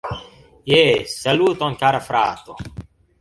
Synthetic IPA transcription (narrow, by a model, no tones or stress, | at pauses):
jesɐluːt̪õŋkaːɾafɾa̰ːt̪o